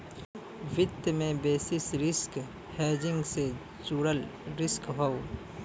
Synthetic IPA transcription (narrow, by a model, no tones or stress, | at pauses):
ʋɪd̪mẽbeːsɪsɾɪsk | heːd͡ʒɪ̃ŋɡse | t͡ʃuːɽəlɾɪskɦoː